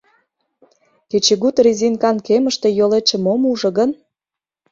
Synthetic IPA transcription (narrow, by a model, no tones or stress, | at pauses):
ket͡ɕeɣut̪rizinkɑnkeməʃt̪e̽jolet͡ʃĕmomuʒɤ̆ɣən